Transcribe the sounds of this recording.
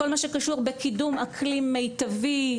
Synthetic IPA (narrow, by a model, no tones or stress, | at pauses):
olmaʃekaʃuʁbe̞kidumakʰlimːejt̪avi